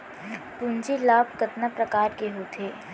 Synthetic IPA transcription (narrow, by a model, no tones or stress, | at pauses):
pʊnt͡ʃilaːb̚kɐt̪napɾɐkaːɾkeɦoːt̪ʰeː